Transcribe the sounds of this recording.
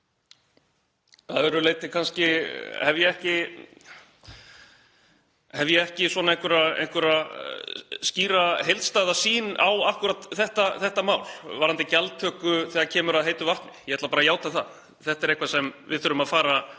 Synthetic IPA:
θaðɛɾʏleːjt̪ɪkʰanscɪhɛvjɛɛhcɪ | hɛvjɛɛhcɪsvɔːnaejŋkʏɾaḛjŋ̥kʏɾa | sciːɾaɦejlt̪st̪ajðasiːna̰wahkʏɾat̪θɛht̪aθɛht̪amaːwlvaɾhant̪ɪcalt̪ʰːœːkʏθɛːɣacʰɛːmʏɾaðɦejt̪ʏvaht̪nɪjɛhɛt̪lapaːɾajaːwt̪aθa̰ð | θɛht̪aɛɾejhkvasɛmvɪ̰ðθʏɾʏmaðfaːɾa

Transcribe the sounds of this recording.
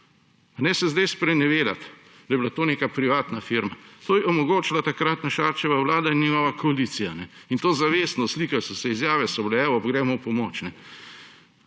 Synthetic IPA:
anɛsɛzd̪ajspɾɛjnɛʋeːd̪a̰t̪ | d̪ɐjɛbilat̪oːnekapɾiʋaːt̪nafiɾmat̪oːjɛɔmɔɡoːt͡ʃilat̪akɾat̪naʃaːɾt͡ʃɛʋawlaːd̪ainnimɔʋakɔalit̪sijanɛ | int̪oːzaʋeːsnɔslikasɔsɛizjaːʋɛsɔblɛjapɡɾɛːmɔpɔmoːt͡ʃnɛ

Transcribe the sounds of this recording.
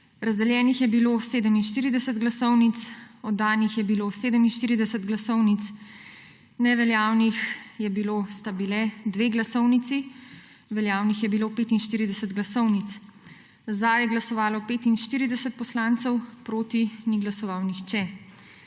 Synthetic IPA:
ɾazd̪ɛljɛːnixjɛbiloːseːd̪əminʃt̪iːɾid̪ɛsət̪ɡlasɔwnit̪sɔd̪ːaːnixjɛbiloːseːd̪əminʃt̪iːɾid̪ɛsət̪ɡlasɔwnit̪s | nɛʋɛljaːwnixjɛbiloːst̪abilɛd̪ʋeːɡlasɔwnit̪si | ʋɛljaːwnixjɛbiloːpeːt̪inʃt̪iːɾid̪ɛsət̪ɡlasɔwnit̪s | zajɛɡlasɔʋaːlɔpeːt̪inʃt̪iːɾid̪ɛsət̪̚pɔslãːnt̪sɛwpɾoːt̪iniɡlasɔʋaːwnixt͡ʃɛ

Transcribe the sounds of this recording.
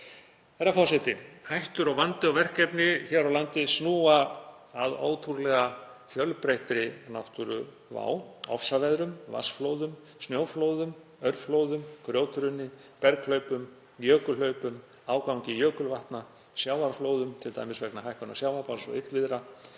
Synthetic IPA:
θɛɾafɔsɛt̪ɪhajht̪ʏɾawvant̪ɪawvɛr̥cɛpnɪçɛːɾawlant̪ɪsnuːa | aða̰ːwt̪ʰuɾlɛɣa | fjœlpɾejht̪ɾɪnawht̪uɾʏ | va̰ːwɔ̰fsavɛðɾʏmva̰sfloːwðʏm | st̪njowfloːwðʏm | œɾvflowðʏmkʰɾjowt̪ɾʏnːɪ | pɛɾklœɥpʏm | jœːkʏlœɥpʏm | aːwkawŋcɪjœːkʏlvaht̪na | sjaːwvaɾfloːwðʏmt̪ʰɪlt̪a̰ːjmɪsvɛknaɦajhkʏnːa̰sjawvapaɾsɔ̰ɪ̰t̪lvɪðɾa

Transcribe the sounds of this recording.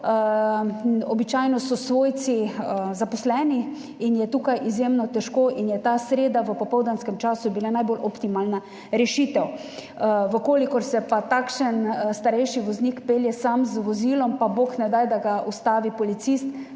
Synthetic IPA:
ɔbit͡ʃajnɔsɔsʋoːjt̪sizapɔslɛːniː | njɛt̪uːkajizjemnɔt̪ɛʃkoːʔinjɛt̪asɾeːd̪aʋəpɔpɔwd̪anskɛmt͡ʃaːsubilanajbolʔɔpt̪imaːlna | ɾɛʃiːt̪ɛw | ʋəkoːlikɔɾsɛpat̪akʃənst̪aɾɛjʃiʋɔznikpeːljɛsamzʋɔziːlɔmpaboːknɛd̪ajd̪aɡaust̪aːʋipɔlit̪sist̪

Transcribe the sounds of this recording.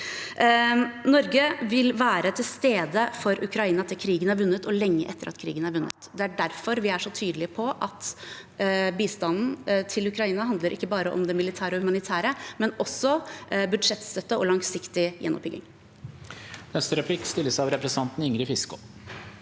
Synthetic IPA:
nɔɾɡəʋɪlʋæːɾət̪ʰɪlst̪eːd̪əfɔɾʉkɾɑiːnɑɛt̪ːəkʰɾiːɡənæɾʋʉnːət̪ʰɔlɛŋːə̰ʔɛt̪ːəɾʔɑ̰t̪kʰɾḭːɡənæɾʋʉnːə̰t̪d̪ɛæɖæɾfɔɾʋɪæʂɔt̪ʰyːd̪əlɪpʰɔʔɑt̪ | biːst̪ɑnn̩t̪ʰɪlʉkɾɑiːnɑɦɑnd̪ləɾʔɪkːəbɑːɾəʔɔ̰md̪ɛmɪlɪt̪ʰæːɾəɔhʉmɑnɪt̪ʰæːɾəmɛnɔsːɔbʉd̪ʂɛt̪st̪œt̪ːəɔlɑŋsɪkt̪ɪjʔɛnːɔ̰phɛɡɪ̰ŋ | nɛst̪əɾɛpʰlɪkst̪ɪlːəsɑʋɾɛpɾɛsn̩ʰɑnt̪n̩ʏŋɾəfɪskʊ

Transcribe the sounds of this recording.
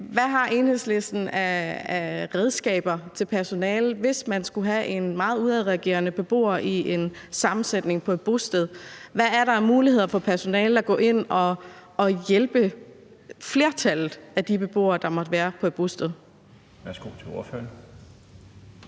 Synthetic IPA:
ʋæɦɑ̈ʔe̝nhe̝ð̰ˠsle̝sd̥n̩æ | ʁɛð̞ˠsɡ̥ɛ̰ːb̥ɐt͡sʰe̝lpʰæɐso̝nɛːlʋe̝smænsɡ̥uɦæʔe̝nmɑ̈ːð̩ˠuðˠæðˠʁɛɡ̥e̝̰ːɐnəb̥e̝b̥o̝̰ːɐʔiʔe̝nsɑ̈mn̩sed̥ne̝ŋpʰɒ̽e̝d̥̚b̥o̝sd̥eð̞ˠʋæːɐɾɑ̈æmuːlihe̝ð̞̰ˠɐfɒ̽pʰæɐso̝nɛːləæɡ̥ɔ̰̽ːe̝n̰ɒ̽ː | jelb̥ə | fle̝ːɐt͡sʰæl̰ð̩ˠæd̥ib̥e̝b̥o̝̰ːɐd̥ɑ̈mɒ̽d̥ʋæːɐpʰɒ̽e̝d̥̚b̥o̝sd̥eð̞ˠ | ʋæɐsɡ̥o̝̰t͡sʰeo̝ːfø̰ːɐn

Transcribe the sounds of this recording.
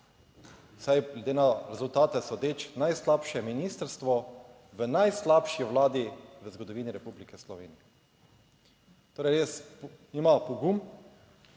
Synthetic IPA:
sajɡlɛd̪eːnaɾɛzult̪aːt̪ɛsɔd̪eːt͡ʃnajslaːpʃɛminiːst̪əɾst̪ʋɔ | ʋənajslaːpʃiwlaːd̪iʋəzɡɔd̪ɔʋiːniɾɛpublikɛslɔʋḛːnijɛ | t̪oːɾɛjɾesimapɔɡum

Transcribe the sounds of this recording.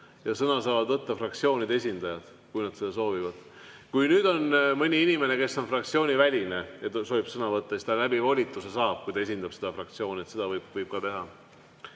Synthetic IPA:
jɑsɤnɑsɑːvɑd̪ɤt̪ːɑfrɑkt̪sio̞ːnʲid̪e̞sʲind̪ɑjɑd̪̥ | kujnɑd̪̥sed̪̥ɑso̞ːvivɑd̪̥ | kujnyːd̪̥o̞nmɤnʲiinime̞ne̞ke̞sːo̞nfrɑk̚t̪sio̞ːnʲivælʲine̞ɑt̪so̞ːvib̥sɤnɑvɤt̪ːˑɑesed̪̥ɑlæbivo̞lʲit̪ˑːuse̞sɑːb̥̚kujd̪ɑe̞s̬ʲind̪ɑb̥sed̪ɑfrɑkt̪sijo̞ːnʲiet̪sed̪ɑvɤjb̚vɤjb̥̚kɑt̪e̞ɦɑ

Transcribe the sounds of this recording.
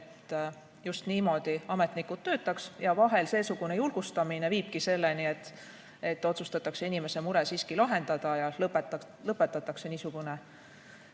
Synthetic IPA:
et̪ː | just̪niːmo̞d̪̥iɑme̞t̪nikːˑud̪̥̚t̪ːøːt̪ːˑɑksjɑvɑɦe̞lse̞ːsuɡ̥une̞julɡ̥ust̪ɑmine̞viːb̥̚kise̞lːenie̞t̪ːˑ | e̞t̪ːˑo̞t̪sust̪ɑt̪ːˑɑkse̞inime̞se̞muɾe̞siːskilɑɦe̞nd̪̥ɑd̪̥ɑjɑlpt̪ | lɤpːˑe̞t̪ːˑɑt̪ːˑɑkse̞niːsuɡ̥une

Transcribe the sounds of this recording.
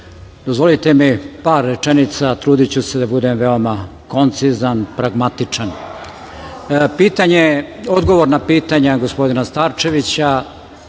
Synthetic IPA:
d̪̥ozʋo̞lit̪e̞mipaːɾːe̞t͡ʂenit̪sat̪ɾuːd̪it͡ɕuse̞d̪abud̪emʋe̞omako̞nt̪sizanpɾaɡmat̪it͡ʂan | piːt̪aɲeod̪ɡo̞ʋo̞ɾnapiːt̪aɲaɡospo̞d̪inast̪aːɾt͡ʃe̞ʋit͡ɕa

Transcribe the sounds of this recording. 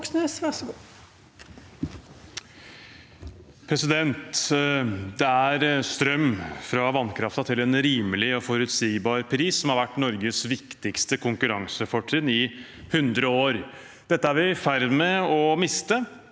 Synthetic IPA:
ksnəsʋɑsəbu | pʰɾɛsɪd̪ɛnt̪ | d̪ɛæɾst̪ɾœmfɾɑʋɑnːkʰɾɑft̪ɑt̪ʰɪlɛnɾiːməlɪɔfɔɾʉt̪siːbɑːɾpʰɾiːsːɔmhɑɾʋæʈːnɔɾɡəsʋɪkt̪ɪkst̪əkʰʊŋkʉɾɑŋsəfɔʈʰɪnɪ | hʉnd̪ɾəoːɾ | d̪̥ɛt̪ːəæɾʋɪfæɾd̪mɛɔmɪst̪ə

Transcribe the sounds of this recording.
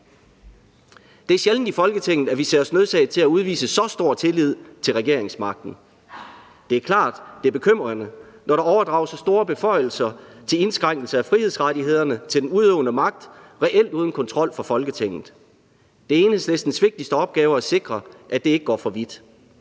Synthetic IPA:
d̥e̝æɐɕeln̩d̥ifɒ̽lɡ̥ət͡sʰeŋ̰ð̩ˠæʋiseɐɒ̽snøðˠsɛ̰ɪt͡sʰe̝læuð̞ˠʋḭːsəsɒ̽sd̥o̝ɐ̰t͡sʰe̝lið̞̰ˠt͡sʰe̝lʁɛɡ̥e̝ɐ̰e̝ŋsmɑ̈ɡ̥̚d̥n̩ | d̥e̝æɐkʰlɑ̰̈ːd̥d̥e̝ɐb̥e̝kʰøm̰ʁɐnənɒɾ̥ɑ̈ɒʊɐd̥ʁɑ̈ʊsɒ̽sd̥o̝ːɐb̥e̝fɒ̽ɪ̰l̩sɐt͡sʰe̝le̝nsɡ̥ʁaŋ̰ɡ̥l̩səæfʁiheðˠsʁɑɾiɦe̝ð̞̰ˠɐnət͡sʰe̝ld̥enuðˠøʊnəmɑ̈ɡ̥̚d̥ʁɛʔel̰d̥uːð̞ˠnkʰɒ̽nt͡sʰʁɒ̽l̰fɒ̽fɒ̽lɡ̥ət͡sʰeŋ̰ð̩ˠ | d̥e̝e̝nhesle̝sd̥n̩sʋe̝ɡ̥̚d̥isd̥əɒ̽b̥̚ɡ̥ɛːʊɐæse̝ɡ̥ʁɐʔæd̥e̝e̝ɡ̥əɡɒ̰ːfɒ̽ʋid̥

